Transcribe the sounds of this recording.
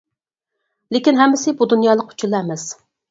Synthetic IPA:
lekʲinɦɛmːɪsɪbud̪unjɑːlˠəqʰu̥t͡ʃʰulˠːɑɛmɛs

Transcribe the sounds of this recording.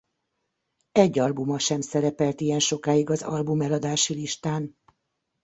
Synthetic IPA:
ɛɟːɒlbumɒʃɛmsɛɾɛpɛlt̪ijɛnʃo̞kaːjiɡɒzɒ̰lbumɛlɒd̪aːʃiliʃt̪aːn

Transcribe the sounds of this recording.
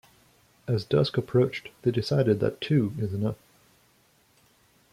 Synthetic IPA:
ɨzdʌskəpʰɹ̥oʊt͡ʃðeɪdɨsaɪɾɨd̪̚ðɨ̰tʰʉɪzɨnʌf

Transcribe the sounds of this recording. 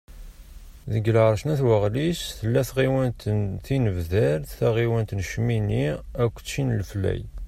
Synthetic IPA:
ðəɡlʁəɾˤʃnæθwəʁlisθəlːæθʁiwænt̪θinəvðəɾθθæʁiwænt̪nʃminiækʷːt͡sʃinəlflæ̰j

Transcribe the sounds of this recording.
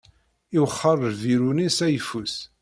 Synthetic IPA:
iwχːərˤɾviɾunisæjfus

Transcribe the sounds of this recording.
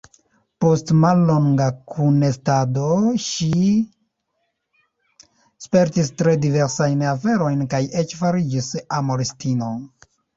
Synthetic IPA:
po̞stmalːo̞ŋɡakʰunestado̞ʃi | spe̞ɾtistɾe̞dive̞ɾsajnafe̞ɾo̞jnkaje̞t͡ʃfaɾid͡ʒisamoɾestino̞

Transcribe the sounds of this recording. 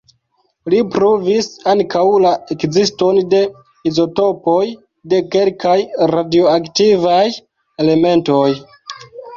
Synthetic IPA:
lipɾovisaŋkawlaʔekzisto̞nde̞ | izo̞to̞po̞j | de̞ke̞lkajɾadioaktivaj | e̞le̞me̞nto̞j

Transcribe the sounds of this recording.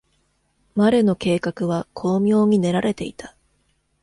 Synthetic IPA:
maɾe̞no̞ke̞ːkakɯ̟βakʰo̞ːmʲjo̞ːɲ̟ine̞ɾaɾe̞t̪e̞it̪ʰḁ

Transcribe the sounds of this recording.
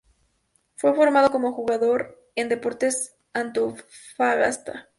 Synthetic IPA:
fwe̞fo̞ɾmað̞o̞ko̞mo̞xuɣaðo̞ɾ | e̞nd̪e̞po̞ɾt̪e̞s | ant̪ufaɣa̰st̪a̰

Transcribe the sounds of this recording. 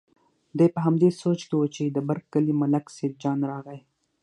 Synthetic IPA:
d̪ajpəɦamd̪esot͡ʃkewut͡ʃed̪əbaɾɡkːəlimalaksed̪̚d͡ʒɑnɾɑɣaj

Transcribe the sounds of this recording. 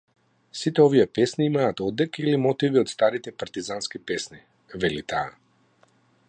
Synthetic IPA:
sit̪ɛɔviɛpɛsniimaːt̪ɔd̪ːɛkilimɔt̪iviɔt̪st̪aɾit̪ɛpaɾt̪izanskipɛsni | vɛlit̪aː

